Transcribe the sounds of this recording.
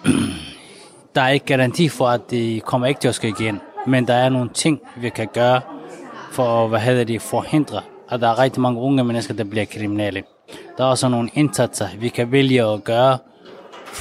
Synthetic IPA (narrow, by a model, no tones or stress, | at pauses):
d̥ɑ̈æɐe̝ɡ̥əɡ̥æʁɑ̈nt͡sʰḭːfɒæd̥e̝kʰɒm̰ɐe̝ɡ̥t͡sʰe̝ɒsɡ̥øiɡ̥enmend̥ɑ̈æɐno̝ːn̩t͡sʰe̝ŋ̰ʋikʰæɡ̥ɶːɐ | fɒʋæɦeð̞̰ˠɐd̥efɒhe̝n̰d̥ʁɐ | ʔɒd̥ɑ̈æɐʁɛɡ̥̚d̥imɑ̈ŋəɔ̽ŋəmenəsɡ̥ɐd̥ɑ̈b̥liɐkʰʁiminelə | d̥ɑ̈æɐɒ̽səno̝ːn̩e̝nsæd̥sɐʋikʰæʋeljəɒɡ̥ɶːɐ